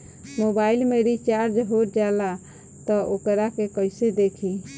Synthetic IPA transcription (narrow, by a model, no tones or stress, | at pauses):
mobailmeɾit͡ʃaɾd͡ʒəɦoɾd͡ʒala | t̪ɔʔokɾakekəjsed̪ekʰi